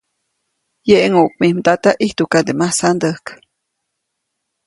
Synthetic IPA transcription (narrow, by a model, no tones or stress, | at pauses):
jeʔeŋuʔk̚mihmd̪at̪aʔiht̪ukad̪emasand̪əhk